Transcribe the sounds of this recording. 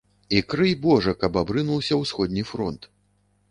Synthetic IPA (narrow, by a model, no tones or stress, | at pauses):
ikɾɨjbɔʐɐkɐbabɾɨnuwsʲɐwsxɔd̪ʲnʲifɾɔnt̪